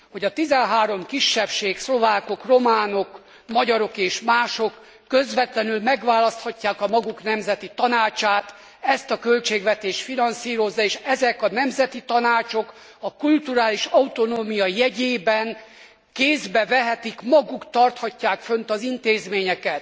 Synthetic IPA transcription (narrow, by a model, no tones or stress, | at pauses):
ho̞ɟɒt̪izɛnɦaːɾo̞mkiʃːɛpʃeːkslo̞vaːko̞kro̞maːno̞k | mɒɟɒɾo̞keːʃmaːʃo̞kː | ø̞zʋɛt̪lɛnylmɛɡʋaːlɒst̪hɒcːaːkɒmɒɡuknɛmzɛt̪it̪ɒnaːt͡ʃaːt̪ | ɛst̪ɒkø̞lt͡ʃeːɡʋɛt̪eːʃt̪finɒnsiːɾo̞zːɒeːʃɛzɛkɒnɛmzɛt̪it̪ɒnaːt͡ʃo̞k | ɒkult̪uɾaːliʃɒut̪o̞noːmijɒjɛɟeːbɛn | keːzbɛvɛɦɛt̪ikmɒɡukt̪ɒrt̪hɒcːaːkfønt̪ɒzint̪eːzmeːɲɛkɛt̪